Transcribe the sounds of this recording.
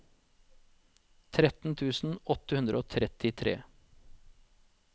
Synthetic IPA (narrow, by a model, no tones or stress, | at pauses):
t̪ʰɾɛt̪n̩t̪ʰʉːsn̩ɔt̪əhʉnd̪ɾʔəoːt̪ʰɾɛt̪ɪt̪ʰɾḛː